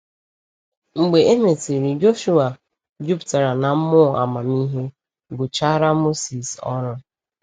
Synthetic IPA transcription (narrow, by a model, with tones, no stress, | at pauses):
ŋ͡m̩˨ɡ͡be˨e˦me˨ti˨ɾi˨d͡ʒo˦ʃu˦a˨ | d͡ʒu˦pta˨ɾa˨na˨m̩˦mʊ˦˨a̰˨ma˨mi˦ɦe˦ | ɡʊ˨t͡ʃa˦ɾa˦mo˦si˨sɔ̰˦ɾʊ˦